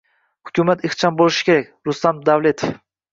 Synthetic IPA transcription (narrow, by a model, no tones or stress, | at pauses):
hʊ̥kʲumat̪ɪχt͡ʃʰɒmbolɪʃɪ̥kʲʰe̞ɾak̚ʲɾʊst̪amd̪avle̞t̪ʰef